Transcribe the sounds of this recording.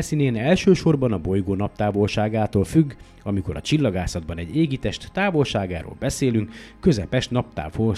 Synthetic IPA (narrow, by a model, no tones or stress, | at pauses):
sineːnɛlʃøːʃo̞rbɒnɒbo̞jɡoːnɒp̚t̪aːvo̞lʃaːɡaːt̪oːlfyɡː | ɒmiko̞ɾɒ̰t͡ʃilːɒɡaːsɒd̪̚bɒnɛɟeːɡit̪ɛʃt̪ːaːvo̞lʃaːɡaːɾo̰ːlbɛseːlyŋkːø̞zɛpɛʃnɒp̚t̪a̰ːfho